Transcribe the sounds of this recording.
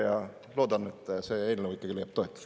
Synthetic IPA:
jɑ | lo̞ːd̪ɑne̞t̪ːˑse̞eːlneuikːˑɑɡile̞jɑb̥t̪o̞et̪ːˑ

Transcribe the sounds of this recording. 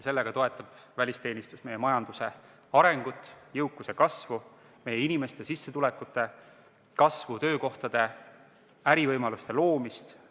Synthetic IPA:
se̞lːeɡ̥ɑt̪o̞e̞t̪ˑːɑb̥ | vælʲist̪e̞ːnist̪usme̞jemɑjɑnd̪̥use̞̰ | ɑɾe̞ŋɡ̥ut̪ːˑjɤuwkːˑuse̞kɑsvu | me̞jeinime̞st̪e̞sisːe̞t̪ule̞kːˑut̪ːˑe̞ | kɑsvut̪ø̞ːko̞ht̪ɑd̪̥e̞ | æɾivɤjmɑlust̪e̞lo̞ːmist̪

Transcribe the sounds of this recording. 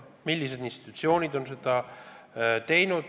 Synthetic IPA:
milʲːise̞d̪inst̪i̥t̪u̥ˑt̪sio̞ːnid̪̥o̞nse̞d̪̥ɑ | t̪e̞jnud̪̥

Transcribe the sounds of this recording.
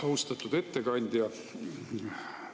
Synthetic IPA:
ɑust̪ɑt̪ːˑud̪̥e̞t̪ːe̞kɑnʲd̪̥ʲjɑ

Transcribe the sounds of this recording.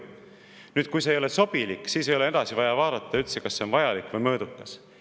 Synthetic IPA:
nyːd̪̥̚kujs̬eejo̞le̞so̞b̥ilikːˑsiːsejo̞le̞e̞d̪̥ɑsivɑjɑvɑːd̪̥ɑt̪ːɑylt̪sekɑsːe̞onvɑjɑlikːˑvɤjmɤ̞ːd̪ukːɑs

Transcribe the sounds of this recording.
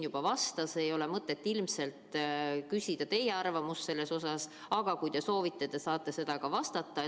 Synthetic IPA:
jub̥ɑvɑst̪ɑse̞jo̞le̞mɤt̪ˑːe̞t̪ːilmse̞lt̪kysʲid̪̥ɑt̪e̞jeɑrvɑmusse̞lːe̞so̞sɑs | ɑɡ̥ɑkujd̪̥e̞so̞ːvit̪ːˑed̪̥esɑːt̪ːˑese̞d̪̥ɑkɑvɑst̪ɑt̪ːˑɑ

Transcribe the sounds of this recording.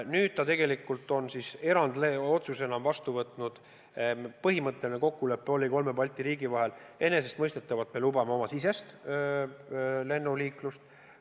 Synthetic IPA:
nyːd̪̥̚t̪ɑt̪e̞ɡ̥e̞likːˑult̪ːˑo̞nsise̞ɾɑnd̪̥leo̞t̪suse̞nɑmvɑst̪uvɤt̪ˑnud̪̥ | pɤɦimɤt̪ˑːe̞line̞ko̞kːule̞pːˑeo̞lʲiko̞lme̞bɑlʲt̪ːˑiɾiːɡivɑɦe̞le̞ne̞sest̪mɤjst̪e̞t̪ːˑɑvɑt̪me̞lubɑme̞o̞mɑsis̬e̞st̪ | le̞nːuliːklust̪

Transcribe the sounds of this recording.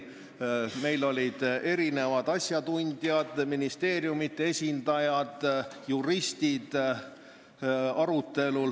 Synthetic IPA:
me̞jlo̞lʲid̪̥e̞ɾine̞vɑd̪̥ɑsʲjɑt̪unʲd̪̥jɑd̪̥minist̪e̞ːrjumit̪ːee̞sʲind̪ɑjɑd̪̥juɾist̪id̪̥ | ɑɾut̪ːe̞lul

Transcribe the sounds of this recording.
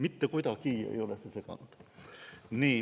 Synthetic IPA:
mit̪ːækojt̪ɑkiːjḛjolesesekɑ̰nut̪ | niː

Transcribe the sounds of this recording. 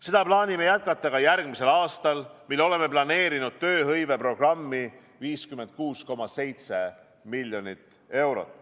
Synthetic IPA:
se̞d̪̥ɑplɑːnʲime̞jæt̪̚kɑt̪ːˑɑɡ̥ɑjæɾɡ̥mise̞lɑːst̪ɑlmilːo̞le̞me̞plɑne̞ːɾinud̪̥̚t̪ø̞ːɦɤjve̞pro̞ɡ̥rɑmːi | viːskyme̞nt̪̚kuːsko̞mɑse̞jt̪se̞ | milʲjo̞nit̪ːˑ | e̞wɾo̞̰t̪ːˑ

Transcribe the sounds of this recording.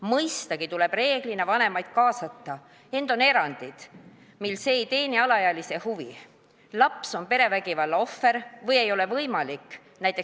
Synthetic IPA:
mɤjst̪ɑɡit̪ule̞b̥re̞ːɡ̥linevɑne̞mɑjd̪̥̚kɑːsɑt̪ːɑ | e̞nd̪̥one̞ɾɑnʲd̪̥id̪̥ | milːse̞ːjt̪e̞ːniɑlɑjɑlise̞huvḭ | lɑpso̞npe̞ɾe̞væɡ̥ivɑlːɑo̞fːe̞ɾvɤje̞jo̞le̞vɤjmɑlikːˑ | næjt̪ˑe

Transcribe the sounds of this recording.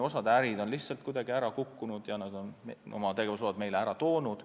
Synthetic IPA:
o̞sɑd̪æɾid̪o̞nliht̪sɑlt̪̚kujd̪̥ɑɡiæɾɑkukːunud̪̥jɑnɑd̪o̞neo̰mɑt̪e̞ɡe̞vusod̪̥me̞jleæɾɑt̪o̞ːnud̪̥

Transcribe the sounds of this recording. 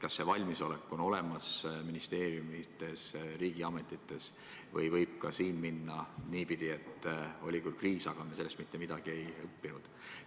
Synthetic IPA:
kɑsːe̞vɑlʲmiso̞le̞kːˑo̞no̞le̞mɑsminist̪e̞ːɾjumit̪ːe̞sriːɡ̥iɑme̞t̪ːˑit̪ːˑe̞s | vɤjvɤjb̥̚kɑsiːnminːɑniːpid̪̥iet̪ːˑo̞lʲikylkriːsɑɡ̥ɑnese̞lːest̪mit̪ːe̞mid̪ɑɡ̥ie̞jɤpːinud̪̥

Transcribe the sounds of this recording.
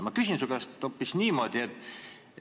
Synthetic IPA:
mɑkysinsuɡ̥ɑst̪opːisniːmo̞d̪̥ʲiet̪ː

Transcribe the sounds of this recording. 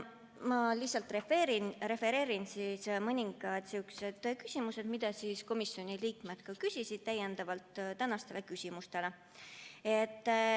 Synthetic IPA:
mɑlihsˑɑlt̪ˑrefeːɾinɾe̞fe̞ɾe̞ːɾinsismɤnʲiŋɡ̥ɑd̪̥sykse̞d̪̥kysʲimuse̞d̪̥mid̪̥ɑsiːskomisʲjo̞nʲiliːkme̞d̪̥kɑkysʲisid̪̥̚t̪æje̞nd̪ɑvɑlt̪ːt̪ænɑst̪e̞lekysʲimust̪e̞le | e̞t̪ː

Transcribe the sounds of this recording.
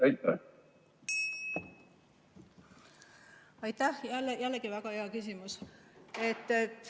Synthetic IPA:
ɑjt̪ːæ̰ | ɑjt̪ːæhjælːjælːkivæɡ̥ɑheɑkys̬ʲimuset̪ːet̪ː

